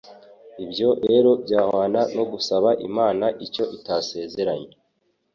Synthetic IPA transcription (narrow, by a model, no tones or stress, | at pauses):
ibɟo̞ɾe̞ːɾo̞bjaːhaːnano̞ɡusaβaʔimaːnaʔico̞ʔitase̞ːze̞ɾaɲe